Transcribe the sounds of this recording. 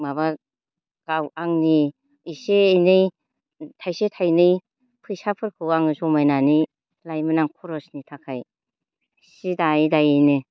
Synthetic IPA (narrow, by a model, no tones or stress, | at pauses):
maba | ɡ̥awaŋni | iseːjnɯj | tʰajsetʰajnɯj | pʰɯjsapʰɯɾkʰɯwaŋɯsɔmajnani | lajmɯnaŋkʰɔɾɔsnitʰakʰaj | sidajdajɯjnɯ